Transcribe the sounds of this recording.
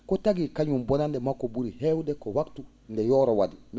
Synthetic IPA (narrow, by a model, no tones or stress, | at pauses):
kɔtaɡikaɲumbɔnandɛmakːɔbuɾihɛwdɛkɔwaktu | ndɛjɔːɾɔwadimi